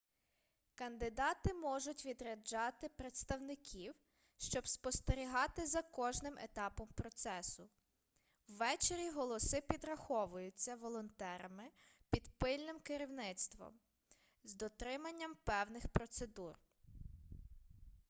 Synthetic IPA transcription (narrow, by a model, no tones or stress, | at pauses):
kɐnd̪ɪd̪ɑt̪ɪmɔʒʊtʲʋʲid̪ɾɐd͡ʒɑt̪ɪpɾet̪st̪ɐwnɪkʲʰiw | ʃt͡ʃɔbspɔst̪eɾʲiɦɑt̪ɪzɐkɔʒnɪmḛt̪ɑpɔmpɾɔt̪sɛsʊ | wːɛt͡ʃeɾʲiɦɔlˠɔsɪpʲid̪ɾɐxɔʋʊjʊt͡sʲːɐʋɔlˠɔnt̪ɛɾɐmɪpʲid̪pɪlʲnɪmkɪɾʲiwnɪt̪st̪ʋɔ̰m | zd̪ɔt̪ɾɪmɐnʲːɐmpɛwnɪxpɾɔt̪se̞d̪ur